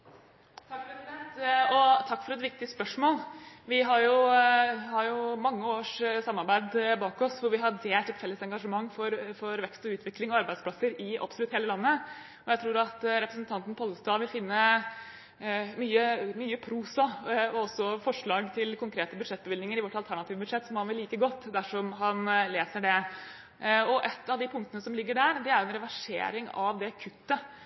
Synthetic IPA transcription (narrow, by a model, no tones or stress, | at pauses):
t̪ʰɑkːɛsɪd̪ɛnt̪ɔt̪ʰɑkːfɔɾɛt̪ʋɪk̚t̪ɪspœʂmoːlʋɪɦɑɾjʊ | hɑɾjʊmɑŋːəoːʂsɑmːɑɾbæɪd̪bɑːkɔsʋʊɾʋɪɦɑd̪eːlt̪ɛt̪fɛlːəsɛŋɡɑʂəmɑŋːfɔɾfɔɾʋɛkst̪ɔʉːt̪ʰʋɪklɪŋɔɑɾbæɪd̪splɑsəɾɪʔɑ̰psɔlʉt̪heːləlɑnːə | ɔjæɪt̪ʰɾuːɾɑt̪ɾɛpɾəsn̩t̪ʰɑnt̪n̩pʰɔlːəst̪ɑːʋɪlfɪnːə | myːəmyːəpʰɾuːsɑɔɔsːɔfɔʂɭɑːɡt̪ʰɪlkʰʊŋkʰɾeːt̪əbʉd̪ʂɛt̪̚ːbəʋɪlɪŋəɾɪʋɔʈːɑlt̪ʰæɳɑt̪iːʋəbʉd̪ʂɛt̪ːsɔmhɑnʋɪlːiːkəɡɔt̪ːd̪æʂɔmɦɑnleːsəɖɛ | ɔʔɛt̪ːɑʋd̪ipʰʊŋkt̪ənəsɔmlɪɡːəɖæːɾd̪ɛæɾjɛnɾɛʋæʂḛːɾɪŋɑʋd̪ɛkʰʉt̪ːə